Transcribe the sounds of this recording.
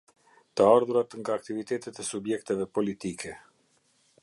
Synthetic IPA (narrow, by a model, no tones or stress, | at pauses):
t̪əaɾðuɾat̪ŋɡaːk̚t̪ivit̪ɛt̪ɛt̪ɛsubjɛkt̪ɛvɛpɔlit̪ikʰɛ